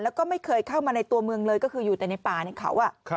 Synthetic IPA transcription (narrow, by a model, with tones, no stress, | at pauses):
lɛ˦˥wkɔː˥˩ma˥˩jkʰɤː˧jkʰa˥˩wmaː˧na˧jt̪u˧ɐmɯ˧əŋlɤː˧jkɔː˥˩kʰɯː˧juː˨˩t̪ɛ˨˩na˧jpaː˨˩na˧jkʰa̰˦wʔa˨˩ʔ